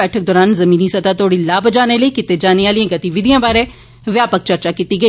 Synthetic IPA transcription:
ɛːʈʰək̚d̪ɔːɾaːnzɐmĩːnisɐd̪aːt̪ʰoːɽilaːbd͡ʒaːneləikɪt̪ed͡ʒaːneaːliẽɡɐt̪iʋɪd̪ijãːbaːɾẽː | ʋjaːpək̚t͡ʃɐɾt͡ʃakiːt̪iɡəiː

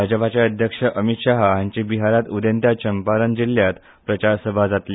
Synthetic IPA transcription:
ad͡ʑəpat͡ɕjaəd̪ʱjəkʂəʔəmit̪ɕaɦaɲt͡ɕibiɦaɾat̪ud̪ənt̪jat͡ɕəmpaɾənd͡ʑiljat̪ | pɾət͡ɕaɾsəbʱad͡zat̪li

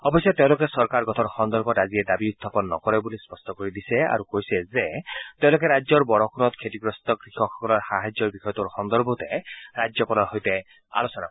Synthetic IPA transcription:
ɔbɔsjɔt̪ew̃lokesɔɾkaɾɡɔt̪ʰɔɾxɔnd̪ɔɾbɔdazied̪abiud̪ʱːapɔnːɔ̰kɔɾɛbulispɔstɔkoɾid̪isɛa̰ɾukojsɛzet̪eʊ̃lokeɾajd͡ʒɔɹbɔɾɔkʰunɔt̪kʰetiɡɾɔst̪ɔɡɾixɔxɔkɔlɔɾxaɦajd͡ʒjɔɹbixɔjɔt̪uɾxɔnd̪ɔɾbot̪eɾad͡ʒjɔpɔlɔɦojt̪e | a̰losɔna̰

